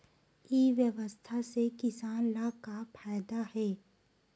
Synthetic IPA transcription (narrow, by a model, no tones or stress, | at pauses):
iʋjəʋəst̪ʰasekɪsaːnlakapʰaːjd̪ahɛː